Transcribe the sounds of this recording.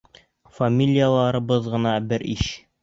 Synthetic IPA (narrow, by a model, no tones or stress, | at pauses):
fɐmʲilʲijalˠɑɾɤ̆bɤðʁɤ̆nɑbɘɾiɕ